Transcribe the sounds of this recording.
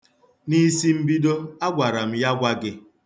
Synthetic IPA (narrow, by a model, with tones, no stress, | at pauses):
ni˦si˦m̩˦bi˦do˦a˦ɡʷa˨ɾa˨m̩˦ja˦ɡʷa˦ɡɪ˦